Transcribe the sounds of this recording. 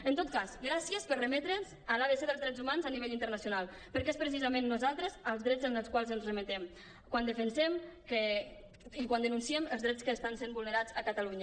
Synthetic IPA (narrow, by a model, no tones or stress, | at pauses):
ənt̪ot̪̚kazɡɾasiəspərəmɛt̪ɾənz | əlaðəseðəlzðɾɛd͡zzumanzaniβɛʎint̪əɾnəsjunalˠ | pəɾkespɾəs̬izəmẽnːuzalˠt̪ɾəzəlˠzðɾɛzənəlˠskwalˠzənzrəmət̪ɛm | kwand̪əfənsɛmkə | ikwand̪ənunsiɛməlˠzðɾɛt͡skəːst̪ansembulˠnəɾazəkət̪əluɲə